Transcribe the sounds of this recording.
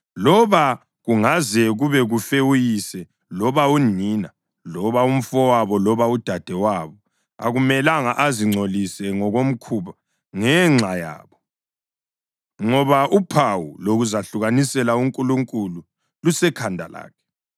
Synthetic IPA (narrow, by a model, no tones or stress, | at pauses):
lɔβa | ɣuŋazɛɣuβɛɣufewujisɛ | lɔβaunina | lɔβaum̩fɔwaβɔlɔβaud̥ʱad̥ʱɛwaβɔ | a̰ɣumɛlaŋaʔaziŋ͡ǀʱolisɛŋɔɣom̩kʰuːβa | ŋɛŋ͡ǁʱaja̰ːβɔ | ŋɔβaʔupʰawuloɣuzaɬuɣanisɛlauŋkʼuluŋkʼulu | lusɛkʰandʱala̰ːkʰɛ̥